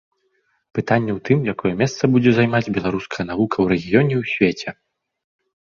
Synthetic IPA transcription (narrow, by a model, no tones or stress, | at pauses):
pɨt̪anʲːɛwt̪ɨmjakɔjɛmʲɛst̪sɐbud͡zʲɛzajmad͡zʲbʲɛlˠaɾuskʰɐjɐnavukʰɐwɾɛɣʲijɔnʲɛwsʲvʲet͡sʲɛ